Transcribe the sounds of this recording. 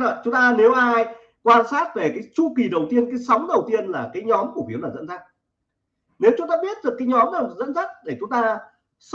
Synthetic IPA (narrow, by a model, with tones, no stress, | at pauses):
ɔ̰˧˨t͡ɕʊ˨˦ŋ͡mt̪aː˧ne˨˦wʔaː˧j | kwaː˧nsaː˦˥t̚ve˨˩kaː˨˦jt͡ɕu˧ki˨˩ɗə˨˩wt̪i˧ənkaː˨˦jsa˨˦wŋ͡mɗə˨˩wt̪i˧ənlaː˨˩kaː˨˦jɲɔ˨˦mku˧˩fi˨˦ənlaː˨˩zə̰˧˥nza˦˥k̚ | ne˨˦wt͡ɕʊ˨˦ŋ͡mt̪aː˧ɓi˦˥ət̚zɨ˨˩əkaː˨˦jɲɔ˨˦mɗa˨˩˨zə̰˧˥nza˦˥t̚ɗe˧˩t͡ɕʊ˨˦ŋ͡mt̪aː˧ | s